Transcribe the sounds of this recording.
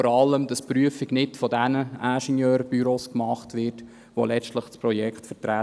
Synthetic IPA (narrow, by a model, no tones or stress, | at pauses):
ɔɾɑlːəmd̥ɑspɾyəfiɡnɪtfɔdænəæʃɛnjøːɾb̥yɾoːskmɑχtʋɪɾt | ʋo̰lɛt͡stləχspɾɔjɛkχtfətɾæ